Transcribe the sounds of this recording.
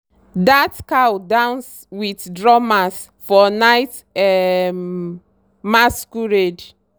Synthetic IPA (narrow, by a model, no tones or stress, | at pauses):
datkawdãʊ̃ns | witdɹɔmas | fɔnaɪt | ɛm | maskuɹed͡ʒ